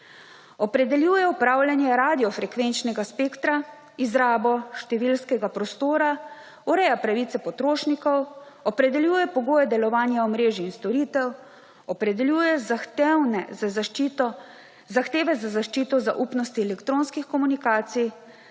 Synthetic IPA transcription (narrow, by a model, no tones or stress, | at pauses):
ɔpɾɛd̪ɛljuːjɛupɾaːwljanjɛɾaːd̪ijɔfɾɛkʋent͡ʃnɛɡaspeːkt̪ɾa | izɾaːbɔʃt̪ɛʋilskɛɡapɾɔst̪oːɾa | uɾɛjapɾaʋiːt̪sɛpɔt̪ɾoːʃnikɔw | ɔpɾɛd̪ɛljuːjɛpɔɡoːjɛd̪ɛlɔʋaːnjaɔmɾeːʒiːnst̪ɔɾiːt̪ɛw | ɔpɾɛd̪ɛljujɛzaxwnɛzazit̪ɔ | zaxt̪eːʋɛzazaʃt͡ʃiːt̪ɔza̰ʔupnɔst̪iɛlɛkt̪ɾoːnskixkɔmunikaːt̪sij